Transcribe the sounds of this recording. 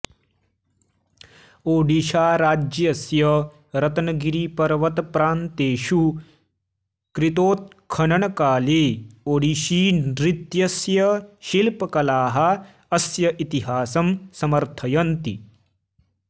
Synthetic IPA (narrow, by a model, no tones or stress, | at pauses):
oːɖiʃaːɾaːd͡ʒjɐsjɐ | ɾɐt̪ɐnɐɡiɾipɐɾʋɐt̪pɾaːnt̪eːʃu | kɾit̪oːt̪̚ | kʰɐnɐɳɐkaːleːoːɽiʃiːnɾit̪jɐsjɐʃilpɐkɐlaːɦɐ | ɐsjɐʔit̪iɦaːsɐmsɐmɐɾt̪ʰɐjɐnt̪ḭ